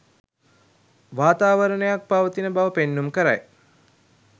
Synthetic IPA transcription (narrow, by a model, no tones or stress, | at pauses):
ʋaːt̪aːʋəɾənəjak̚paʋət̪inəbaʋəpenːumkəɾa̰j